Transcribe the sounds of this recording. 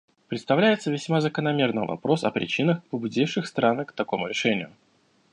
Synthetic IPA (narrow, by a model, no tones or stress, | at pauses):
pɾʲɪt̪st̪ɐvlʲæjɪt̪səvʲɪsʲmazəkənɐmʲe̞rnɨjvɐ̰pɾo̞sɐ̰pɾʲɪ̰t͡ɕinəxpəbʊdʲifʂɨxst̪ɾankt̪ɐko̞mʊɾʲɪʂɛnʲɪjʊ